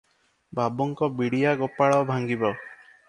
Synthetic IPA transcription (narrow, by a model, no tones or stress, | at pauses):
bʱabɔŋkɔbiɽijaɡopaɭɔbʱaŋɡibɔ